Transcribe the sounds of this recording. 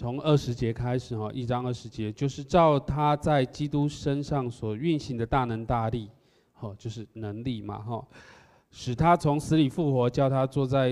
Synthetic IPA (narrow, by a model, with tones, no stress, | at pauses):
t͡sʰo˧˥ŋə˥˩ʂɻ̩˧˥t͡ɕjɛ˧˥kʰa˥ɪʂɻ̩˨˩xɔ˥˩ʔi˥˩ʈ͡ʂɑ˥˦ŋə˥˩ʂɻ̩˧˥t͡ɕjɛ˧˦t͡ɕjo˥˧ʊʂɻ̩˥˧ʈ͡ʂɑ˥˨ʊt̪ʰa˦˥t͡sa˥˩ɪt͡ɕi˥t̪u˥˦ʂə˦nʂɑ˥˩ŋswɔ˨˩y˥˨nɕi˧˩ŋd̪ə˩t̪a˥˩nə˧˥ŋt̪a˥˧li˥˩ | xɔ˥˩t͡ɕjo˥˧ʊʂ̬ɻ̩˥˩nə˧˦ŋli˥˩ma̰˩xɔ˥˩ | ʂɻ̩˨˩t̪ʰa˦t͡sʰo˧˥ŋsɹ̩˧˥li˨˩fu˥˩xwɔ˧˥t͡ɕjɑ˥˩ʊt̪ʰa˥t͡swɔ˥˧t͡sa˥˩ɪ